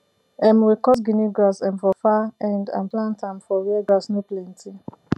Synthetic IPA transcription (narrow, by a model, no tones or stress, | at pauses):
ɛ̃mwikɔs̬ɡiniɡɹasɛ̃nfɔfaɛ̃ndã̰nplãntãmfɔɹiɛɡasnuplɛ̃ntʰi